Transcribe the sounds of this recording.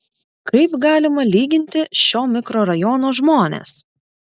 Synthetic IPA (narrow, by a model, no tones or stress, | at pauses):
kɐɪpɡɑːlʲɪmɐlʲiːɡʲɪnʲt̪ʲɪʃʲoːmʲɪkɾoːɾɐjɔːnoːʒmoːnʲḛs